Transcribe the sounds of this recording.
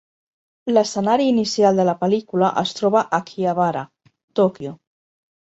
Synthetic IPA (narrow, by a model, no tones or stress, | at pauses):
ləsənaɾiːnisjalˠd̪əlapəlikulaʔəst̪ɾoβaʔakʰiaβaɾa̰ | t̪okjo